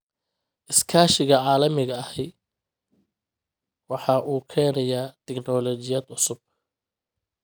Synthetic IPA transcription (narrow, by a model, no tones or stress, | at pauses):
ʔɪskʰaːʃɪɣɐʕɑːlɐmɪɣɐɐhɛj | wɑħɑːʔuːkʰɛːnɐjaːt̪ʰɛknɔːlɔt͡ʃɪjaːd̪ʊsʊb̥̚